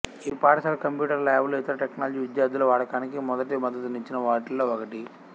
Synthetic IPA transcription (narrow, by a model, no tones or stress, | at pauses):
iːpaːɽɐsaːlkɐmpjuːʈɐɾlaːjblit̪ɐɾɐʈeknaːlɐd͡ʒiːʋid̪jaːɾd̪ulɐʋaːɽɐkaːnikimɔd̪ɐʈimɐd̪ːɐt̪uniɲt͡ʃinɐʋaːʈilːoːɔkɐʈi